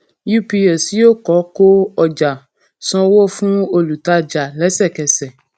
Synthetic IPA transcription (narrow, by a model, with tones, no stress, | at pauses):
ju˦pi˧e˨si˦jo˦kɔ˨˦ko˦ɔ˨d͡ʒa˨ | sɔ̃˧wo˦fũ˦o˧lu˨ta˧d͡ʒa˨lɛ˨˦sɛ˦˨kɛ˨sɛ˨